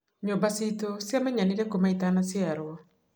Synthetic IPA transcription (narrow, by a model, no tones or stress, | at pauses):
ɲobasitosjamɛɲaniɾɛkomaitanasjaɾwɔ